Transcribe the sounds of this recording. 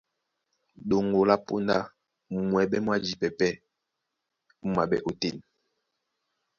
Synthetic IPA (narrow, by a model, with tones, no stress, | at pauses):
ɗo˨ŋo˨la˦po̰˦nda˦˨ | mwɛ˨ɓɛ˦m˦a˦d͡ʒi˨pɛ˨pɛ˦ | m̩˦ma˨bɛ̰˦ʔo˨te˦˨n